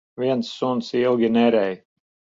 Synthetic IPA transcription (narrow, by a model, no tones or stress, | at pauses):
viɛnsːunsilˠɡʲinɛɾɛj